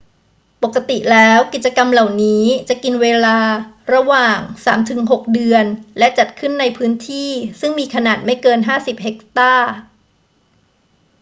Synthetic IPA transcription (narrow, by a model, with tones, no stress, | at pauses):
po˨˩kːa˧t̪i˨˩lɛː˦˥wki˨˩t̪̚t͡ɕa˧ka˧mla˨˩wniː˦˥t͡ɕa˨˩ʔki˧nweː˧laː˧ɾa˧waː˨˩ŋsaː˩˦mt̪ʰɯ˩˦ŋɦo˨˩k̚dɯ˧ənlɛ˦˥t͡ɕa˨˩t̪̚kʰɯ˥˩nːa˧jpʰɯː˦˥nt̪ʰiː˥˩sɯ˥˩ŋmiː˧kʰa˧naː˨˩t̪̚ma˥˩jkɤː˧nɦaː˥˩si˨˩p̚ɦe˨˩˥k̚t̪aː˥˩